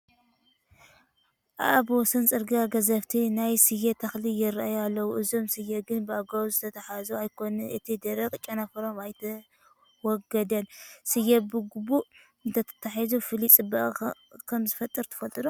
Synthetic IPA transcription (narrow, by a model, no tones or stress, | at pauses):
ʔa̰ʔabwɔsɐnt͡sʼɨɾɡaɡɐzɐβt̪ʰinajsɨjet̪ʰɐxlijɪɾaʔajalːɐwuʔɨzo̞msɨjːeɡɨnbɨaɡawzɨt̪ʰɐt̪ʰɐħazuajkʰo̞nɨnʔɨt̪ʰid̪ɐɾɐkʼt͡ʃʼːɐnɐfɐɾo̞majt̪ʰɐ | wɔɡɐd̪ɐnsɨjɛbɨɡubuʔ | ɨnt̪ʰɐt̪ʰɐ̥t̪ʰaħizufɨlit͡sʼɨbɐʔʼ | kʰɐmzɨfɐt̪ʼːɨɾt̪ʰɨ̥fɐlt̪ʼɨɾu